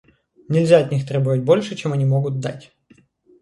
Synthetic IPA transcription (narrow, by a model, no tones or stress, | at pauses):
nʲɪlʲzʲaɐt̪ʲnʲixt̪ɾʲe̞bəvət̚ʲbo̞lʲʂɨt͡ɕemɐnʲimo̞ɡʊt̪̚d̪a̰tʲ